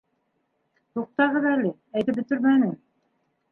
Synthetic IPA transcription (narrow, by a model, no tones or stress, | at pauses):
t̪uq̚t̪ɑʁɤðælɘ | æjt̪ɘp̚bɵ̆t̪ɘɾmænɘm